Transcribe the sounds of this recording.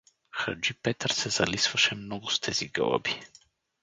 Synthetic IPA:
xa̰d͡ʒipɛt̪aɾsɛzalisvaʃɛmnɔɡust̪ʰɛziɡə̰lˠa̰bi

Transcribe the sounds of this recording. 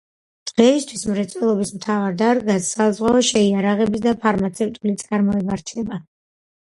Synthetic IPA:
d̪ʁɛist̪ʰwismɾɛt̪sʼwɛlˠɔbismt̪ʰavaɾd̪aɾɡasːazʁwaɔʃɛiaɾaʁɛbisd̪apʰaɾmat̪sʰɛft̪ʼulit̪sʼaɾmɔɛbaɾt͡ʃʰɛba

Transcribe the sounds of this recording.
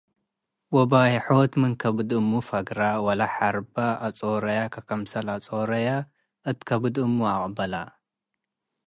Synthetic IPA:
wɔbajħot̪mɨnkʰɐbɨd̪ɨmːufɐɡɾawɐlaħaɾbaat͡sʼoɾɐjakʰɐkʰɐmsɐlat͡sʼoɾɐja | ʔɨt̪kʰɐbɨd̪ɨmːuakʼbɐla̰

